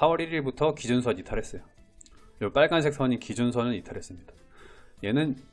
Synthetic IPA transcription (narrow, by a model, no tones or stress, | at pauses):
sʰawʌɾiɾiɭbutʰʌkid͡ʑunsʰʌɲitʰaɾɦe̞s͈ʌjo | p͈aɭɡansʰeks͈ʰaʌɲinkid͡ʑunsʰʌnɯnitʰaɾɦe̞s͈ɯmɲidḁ | je̞nɯn